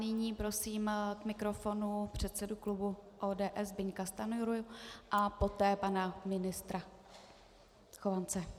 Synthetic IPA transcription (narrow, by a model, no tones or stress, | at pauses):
nɪɲiːpɾo̞siːmkmɪkɾo̞fo̞nupr̝̥ɛt̪t͡sɛduklubuʔoːdɛːʔɛzbɪɲkast̪anujɾujʊʔapo̞t̪ɛːpanamɪnɪst̪ɾa | xovant͡sɛ